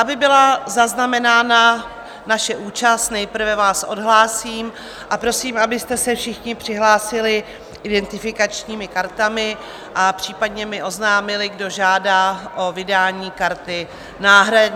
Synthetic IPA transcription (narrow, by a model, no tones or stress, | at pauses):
abɪbɪlazaznamɛnaːna | naʃɛʔuːt͡ʃast̪nɛjpr̩vɛvaːsʔo̞̰dɦlaːsiːm | ʔapɾo̞siːmabɪst̪ɛsɛfʃɪxɲɪpr̥ɪɦlaːsɪlɪ | ʔɪdɛnt̪ɪfɪkat͡ʃɲiːmɪkaɾt̪amɪ | ʔapr̥iːpadɲɛmɪʔo̞znaːmɪlɪɡdo̞ʒaːdaːʔo̞vɪdaːɲiːkaɾt̪ɪ | naːɦɾa